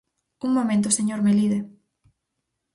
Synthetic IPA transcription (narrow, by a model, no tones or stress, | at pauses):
uŋmomẽnt̪̬ʊseɲoɾmeliðe